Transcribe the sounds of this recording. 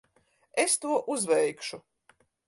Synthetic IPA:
est̪uɔʔuzvɛjkʃu

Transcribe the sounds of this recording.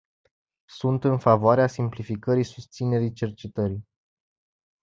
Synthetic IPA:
sunt̪ɨnfavoaɾeasimplifikəɾisust̪sine̞ɾit͡ʃe̞rt͡ʃe̞t̪əɾi

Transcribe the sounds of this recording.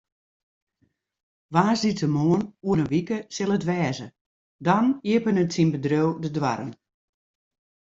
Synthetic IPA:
ʋaːsditəmoənuənəʋikəsɪlˠətʋɛːzə | dɔniəpənətsinbədrøwdədʋa̰ɾə̰n

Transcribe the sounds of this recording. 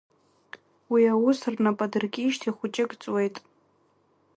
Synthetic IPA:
wiawʊsɨrnapʼadɨrɡʲiːʃtʰiχʷʊt͡ʃʼɪkʼt͡sʼwe̞jtʼ

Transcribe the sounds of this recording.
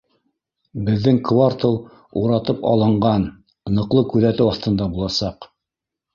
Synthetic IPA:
bɘ̆ðːɘŋkvart̪ɤlˠ | uɾɑt̪ɤpɑ̰lˠɤ̆ɴɢɑn | nɤ̆qlˠɤkʉðæt̪ɘwɑθt̪ɤ̆nd̪ɑbulˠɑsɑq

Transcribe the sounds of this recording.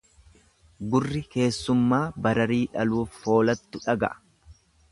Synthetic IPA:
ɡʊrːɪke̞ːsːʊmːaːbɐɾɐɾiːᶑɐluːffo̞ːlɐt̪ːʊᶑɐɡɐ̰ʔɐ̥

